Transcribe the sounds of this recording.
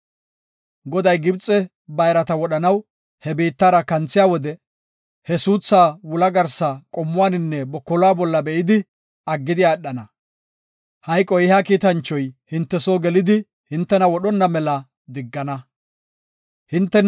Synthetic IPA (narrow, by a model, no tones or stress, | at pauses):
ɡɔd̪ɐjɡɪbt͡sʼːɛ | bɐjɾɐt̪ɐwɔɗɐnɐw | hɛbiːt̪ːaːɾɐkɐnt͡sːɪjaːwɔd̪ɛ | hɛsuːt͡sːaːwʊlɐɡɐɾsɐkʼɔmːʊwaːnɪnːɛbɔkːɔlaːbɔlːɐbɛʔɪd̪ɪ | ɐɡːɪd̪ɪjaːɛɗːɐnɐ | hɐjkʼːɔjɪhaːkiːt̪ɐnt͡ʃːɔjhɪnt̪ːɛsoːɡɛlɪd̪ɪ | hɪnt̪ːɛnɐwɔɗɔnːɐmɛlɐ | d̪ɪɡːɐnɐ | hɪnt̪ːɛ